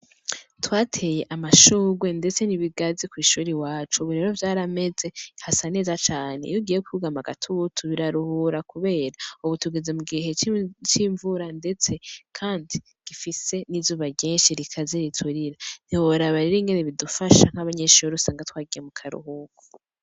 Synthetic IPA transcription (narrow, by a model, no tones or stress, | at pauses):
twaːtʰe̞je̞ʔamaʃuːɡwe̞nde̞t͡se̞niβiɡazikwiːʃuːɾiwaːt͡ʃuβuɾe̞ːɾo̞vjaːɾame̞ze̞hasane̞ːzat͡ʃaːnejuɡiːjekuuɡamaɡatʰutʰuβiɾaɾuhuɾakuβe̞ːɾauβutuɡeze̞muɡiɦe̞t͡ʃiːɱvuɾande̞t͡se̞kʰaːndi | ɡ̥ifise̞nizuːβaɟeːnʃiɾikʰazeɾitʰuɾiɾan̥iwoɾaβaɾiɾiŋɡe̞neβidufaʃaŋ̥haβaɲeʃuːɾiusaːŋɡatwaːɡijemukʰaɾṵhuːɡu